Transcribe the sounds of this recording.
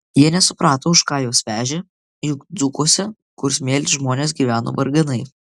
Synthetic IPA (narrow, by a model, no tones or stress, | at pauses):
jiɛnʲɛsʊpɾɑːt̪oːʊʃkɑːjoːsʲʋʲæːʒʲe | jʊkd̪zʊkuɔsʲɛ | kʊɾsmʲeːlʲsʲʒmoːnʲeːs̬ɡʲiːʋʲæːno̰ːʋɐɾɡɐnɐɪ